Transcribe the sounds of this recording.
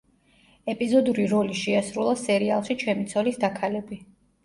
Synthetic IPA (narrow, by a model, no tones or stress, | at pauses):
ɛpʼizɔd̪uɾiɾɔliʃɛasɾulˠasɛɾialˠʃit͡ʃʰɛmit̪sʰɔlisd̪akʰalɛbi